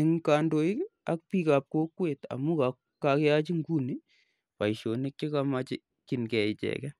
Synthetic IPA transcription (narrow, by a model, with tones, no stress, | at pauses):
ɪ˨ŋka˨ndo˨˦i˦ka˦k̚pi˦ka˨p̚ko˦kwe˨ta̰˨mu˦ka˨ | ka˨kɛ˦a˦t͡ʃi˦ŋɡu˦ni˦ | pa˨iʃo˨ne˦kkɪ˦ka˦ma˦t͡ʃɪ˦ | ki˨nkɛ˨ɪ˨t͡ʃɛ̰kɛ˦